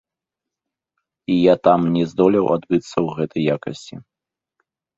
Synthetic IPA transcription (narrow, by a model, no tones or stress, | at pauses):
ijat̪amnʲɛzd̪ɔlʲɛwʔa̰d̪bɨt̪sːɐwɣɛt̪ɐjːakɐ̰sʲt͡sʲi